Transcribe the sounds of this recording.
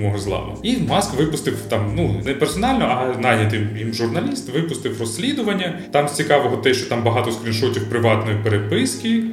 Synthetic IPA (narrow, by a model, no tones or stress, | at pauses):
mɔɦɔzlˠɑ̰nʊ̰imɑskʋɪpʊst̪ɪwt̪ɑmnunɛpersɔnɑlʲnɔʔɐnɑjnʲɐt̪ɪmjimʒʊrnɐlʲist̪ʋɪpʊst̪ɪwrɔsʲːlʲid̪ʊʋɐnʲːɐt̪ɑmsʲt͡sʲikɑʋɔɦɔt̪ɛʃt͡ʃɔt̪ɑmbɐɦɑt̪ɔskɾʲinʃɔtʲiwpɾɪʋɑt̪nɔjipeɾepɪskʲɪ